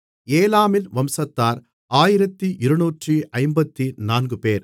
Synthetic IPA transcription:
eːlaːmɪlʋɐmsɐt̪ːaːɾ | aːjɪɾɐt̪ːiʔɪɾɐnuːʈriɐɪmbɐt̪ːinaːnɡɯpeːɾ

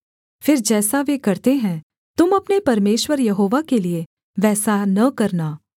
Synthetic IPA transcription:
fɪɾd͡ʒɛːsaʋeːkɐɾt̪eɦɛ̃ː | t̪ʊmɐpnepɐɾmeːʃwəɾjɐɦoːʋakelie | ʋɛːsanɐkɐɾnaː

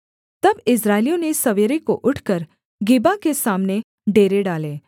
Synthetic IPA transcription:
t̪ɐbɪsɾaːelijõnesɐʋeːɾekoʔʊʈʰkəɾ | ɡɪbakesaːmne | ɖeːɾeɖaːle

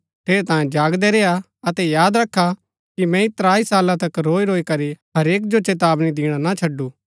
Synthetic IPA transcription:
ʈ̪ʰeːɾet̪ãːjẽd͡ʒaːɡd̪ɛɾeːa | ɐt̪ɛjaːd̪ɾɐkʰːa | kimɛ̃it̪ɾaːisaːlãt̪ɐkɾoːiɾoːikɐɾiɦɐɾeːk̬d͡ʒot͡ʃeːt̪̬aːbnid̪iːɽ̃anat͡ʃʰɐɖːuː

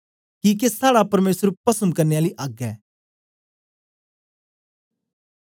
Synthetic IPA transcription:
kiːk̬esaːɽapɐɾmeːsɾupɐsə̃mkɐɾneaːliʔaːɡɛ̰ː

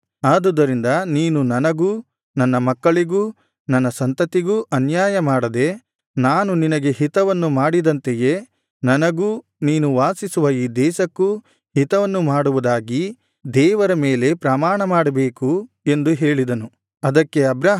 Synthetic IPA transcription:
aːd̪ud̪ɐɾind̪ɐniːnunɐnɐɡuː | nɐnːɐmɐkːɐɭiɡuː | nɐnːɐsɐnt̪ɐt̪iɡuʔɐnjaːjɐmaːɽɐd̪e̞ | naːnuninɐɡe̞ɦit̪ɐʋɐnːumaːɽid̪ɐnt̪eje̞ | nɐnɐɡuː | niːnuʋaːsisuʋɐjiːd̪ɛːʃɐkːu | hit̪ɐʋɐnːumaːɽuʋud̪aːɡi | d̪ɛːʋɐɾɐmeːle̞pɾɐmaːɳɐmaːɽɐbe̞ːku | e̞nd̪uɦe̞ːɭid̪ɐnu | ɐd̪ɐkːe̞ɐbɾɐ

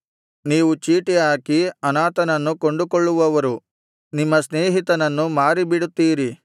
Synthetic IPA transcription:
niːʋut͡ʃiːʈiaːkiɐnaːt̪ɐnɐnːuko̞ɳɖukoɭːuʋɐʋɐɾu | nimːɐsneːɦit̪ɐnɐnːumaːɾibiɽut̪ːiːɾi

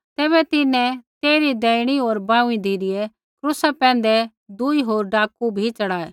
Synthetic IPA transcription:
t̪ɛːβɛt̪ɪnɛ̃t̪eːɾid̪ɛːɪɽ̃iɦoːɾbãːũĩd̪ʱiːɾɪjɛ | kɾʊsapɛ̃ːnd̪ɛ | d̪uiɦoːɾɖaːkubʱit͡ʃɐɽaːe

